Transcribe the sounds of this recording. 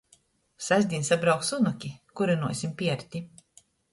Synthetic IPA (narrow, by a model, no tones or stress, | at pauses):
sæzʲd̪ʲinsabɾawksunukʲikuɾɛnuɔsʲimpʲiɛɾt̪ʲi